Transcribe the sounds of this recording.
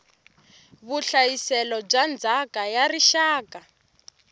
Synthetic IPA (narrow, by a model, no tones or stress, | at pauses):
βuɬajisɛlɔb͡ʐand͡zʱakajariʃaːka